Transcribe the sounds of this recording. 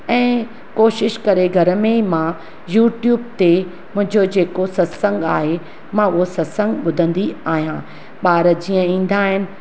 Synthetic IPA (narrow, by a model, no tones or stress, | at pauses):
ɛ̃ː | koːʃɪʃkɐɾeɡʱɐɾmeimã | juːʈjuːb̚t̪e | mʊ̃ɦɪ̃ɲd͡ʑod͡ʑeːkosɐsə̃ŋɡaːɦe | mãʊɦosɐsə̃ŋɡɓʊd̪ʱə̃nd̪iaːɦijã | ɓaːɾd͡ʑiːə̃ĩːn̆d̪aːɦɪnɪ̆